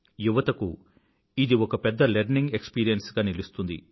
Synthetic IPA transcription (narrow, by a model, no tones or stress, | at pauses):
juʋɐt̪ɐku | id̪iɔkɐpɛd̪ːɐleɾniŋɡe̞kspiːɾijɐnsɡaːnilust̪und̪ḭ